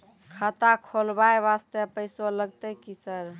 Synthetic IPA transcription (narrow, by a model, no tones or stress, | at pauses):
kʰət̪akʰolbajʋast̪epəjsoləɡt̪əkisəɾ